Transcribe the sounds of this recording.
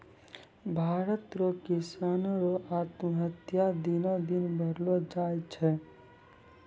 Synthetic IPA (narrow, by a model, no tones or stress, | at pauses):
bʱaːɾət̪ɾokisanɾoat̪məɦət̪jad̪inod̪inbʱəɾlod͡ʒajt͡ʃʰɛ